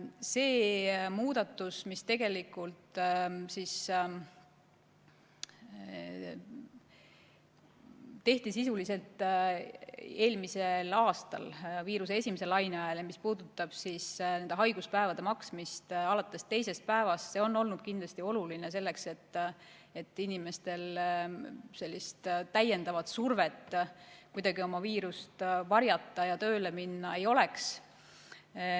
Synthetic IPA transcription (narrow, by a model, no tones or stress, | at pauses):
se̞ːmuːd̪̥ɑt̪ːˑusmist̪e̞ɡ̥e̞likːˑult̪sis | t̪e̞ht̪isisulise̞lt̪ | e̞ːlmise̞lɑːst̪ɑ̰lviːɾus̬eesʲimese̞lɑjneɑeljɑmispuːd̪ut̪ːˑɑb̥sisnend̪eɦɑjɡ̥uspæevɑd̪̥e̞mɑksmist̪ɑlɑt̪ːˑe̞st̪e̞jse̞spæe̞vɑst̪se̞o̞nːo̞lnud̪̥kind̪lɑst̪io̞luline̞s̬e̞lːe̞kse̞t̪ː | e̞t̪ːˑinime̞st̪e̞l | se̞lʲːist̪t̪æjːe̞nd̪̥ɑvɑt̪surve̞t̪ːˑkujd̪ɑɡio̞mɑviːɾust̪vɑɾjɑt̪ːɑjɑt̪ø̞ːle̞minːɑe̞jo̞le̞ks